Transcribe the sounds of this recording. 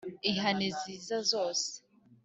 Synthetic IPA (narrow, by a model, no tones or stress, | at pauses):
iɦaneziːzazoːse̥